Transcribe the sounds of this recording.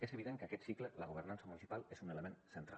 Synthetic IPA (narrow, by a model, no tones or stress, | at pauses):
ezəβiðeŋkakɛt̪siklələɣ̞oβ̞əɾnansəmunisipalˠezuneləmẽnsənt̪ɾa̰l